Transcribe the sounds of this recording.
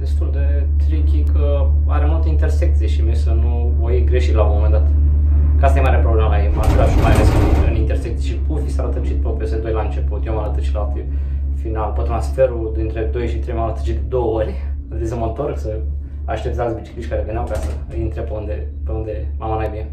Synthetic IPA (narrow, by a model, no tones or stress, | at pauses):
d̪̥e̞st̪uld̪e̞ | t̪ɾikʲikə | aɾemult̪əint̪e̞rsek̚t̪sijeʃimiesənu | vojɡɾe̞ʃit̪launmomend̪at̪kəast̪ajemaɾeɾepɾoblemalajemaɾkamajaleskiɨnint̪ersek̪̚sijeʃipufisaɾət̪ət͡ʃit̪̚pɾopɾiosd̪ed̪o̞jlaɨnt͡ʃe̞put̪jewmaɾət̪ət͡ʃi̥lat̪i | finalpət̪ɾansfe̞ɾud̪int̪ɾe̞d̪o̞jʃit̪ɾejmalət̪ə̥t͡ʃid̪ed̪o̞wəoɾʲ | lisəmont̪oɾəksə | aʃt̪et̪zaksbit͡ʃi̥klit͡ʃʲkaɾevenawpjasəɨjint̪ɾepeund̪epeund̪e̞mamanajbine